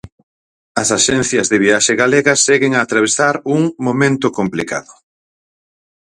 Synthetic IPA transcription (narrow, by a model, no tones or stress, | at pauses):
ɐsaʃɛn̟θjɐzðɪβiaʃɪɣaleɣɐsɛɣɪŋaːt̪ɾaβ̞esaɾuŋmomẽnt̪ʊkomplika̰ðʊ